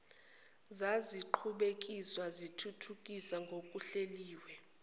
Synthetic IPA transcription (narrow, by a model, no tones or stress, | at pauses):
zaziǃʰuɓek̬ʼiswazitʰutʰukʼisaŋɡʱok̬ʼuɬeliːwɛ